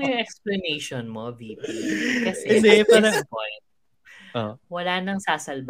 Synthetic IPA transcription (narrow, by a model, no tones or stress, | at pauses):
joŋʔɛksplɐnɛjʃonmobiːbikɐsɛɪd̪ɛpaːɾɐɐpojnt̪̚ | ʔowɐlaːnɐŋsaːsɐlb